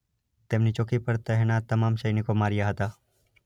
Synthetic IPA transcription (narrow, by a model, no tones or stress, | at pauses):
t̪emnit͡ʃokipəɾt̪əɦnat̪ːəmaːmʃəjnikomaːɾijaɦət̪a